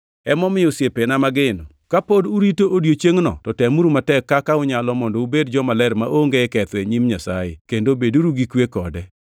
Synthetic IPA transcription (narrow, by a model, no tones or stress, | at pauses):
ɛmɔmɪɔsjepenamaɡɪnɔ̰ | kapoduɾitoʔodjot͡ʃeŋnɔ̰tɔtɛmuɾumatɛkːakaʊɲalɔmɔndɔubedd͡ʒɔmalɛɾmaʔoŋɡeɛkɛt̪eɲimɲasajḛkendobeduɾuɡikwekɔdɛ